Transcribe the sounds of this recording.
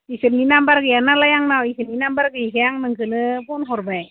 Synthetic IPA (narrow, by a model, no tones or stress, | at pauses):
isənːinambarkəjanalajaŋnawisəninambarkəikəjaŋnəŋkənəpʊnɦɔrbaɛk